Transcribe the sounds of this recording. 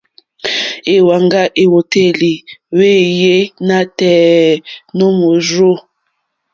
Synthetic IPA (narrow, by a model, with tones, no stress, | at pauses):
e˨wa˨ŋɡa˦ʔe˨wo˨te˦li˨we˦je˦na˦tɛ˨ | no˦mo˨zo˦˨